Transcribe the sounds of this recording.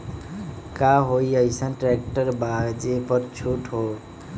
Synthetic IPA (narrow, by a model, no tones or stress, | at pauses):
kaɦojəjsənʈɾɛk̚ʈəɾbad͡ʒepəɾt͡ʃʰuʈɦo